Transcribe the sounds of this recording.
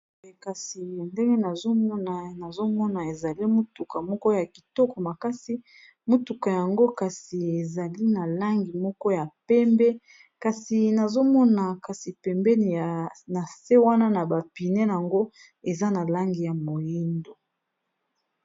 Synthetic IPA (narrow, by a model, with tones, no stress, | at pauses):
ka˨si˨nde˦ŋɡe˦na˨zo˦mɔ˦na˨na˨zo˦mɔ˦na˨e˨za˨li˦mo˦tu˨ka˨mɔ˦kɔ˦ja˨ki˨tɔ˦kɔ˨ma˨ka˦si˦ | mo˦tu˨ka˨ja˨ŋɡo˦ka˨si˨e˨za˨li˦na˨la˦ŋɡi˨mɔ˦kɔ˦ja˨pɛ˦mbɛ˦ | ka˨si˨na˨zo˦mɔ˦na˨ka˨si˨pɛ˨mbɛ˦n˨na˨se˦wa˦na˦na˨ba˨pi˨nɛ˦˨a˨ŋɡo˦ | e˨za˦na˨la˦ŋɡi˨ja˨mo˨ji˦ndo˨